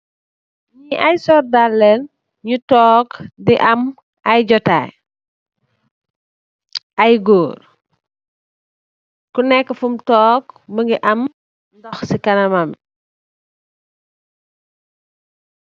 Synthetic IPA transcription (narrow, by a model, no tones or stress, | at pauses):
ɲiʔɐjsɔrdalːɛn | ɲutɔːkdiʔɐm | ʔɐjɟɔta̰ːj | ʔɐjɡoːr | kunɛkːəfumtɔːkbəŋɡiʔɐm | ndɔxsikɐnɐmɐm